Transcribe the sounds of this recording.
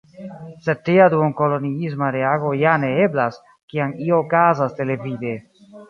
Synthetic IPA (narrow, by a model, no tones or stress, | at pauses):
se̞d̚tːiaduoŋko̞lo̞niizmaɾe̞aɡo̞jane̞eblas | kianioːkazaste̞le̞vide̞